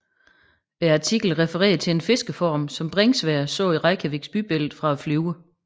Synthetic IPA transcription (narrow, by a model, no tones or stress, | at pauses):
æɑt͡sʰiɡ̥l̩ʁɛfəʁɛ̰ːɐðˠt͡sʰe̝enfe̝sɡ̥əfɒːmsɒ̽mb̥ʁeŋsʋɛɐsɔ̰̽ːiʁɑ̈ɪkʰæʋeɡ̥sb̥yb̥el̰ð̩ˠfʁɑ̈æflyːʊə